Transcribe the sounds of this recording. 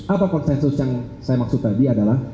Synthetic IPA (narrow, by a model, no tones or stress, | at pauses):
apakɔnsɛnsʊsjaŋ | sajamaksʊt̪̚adiadalah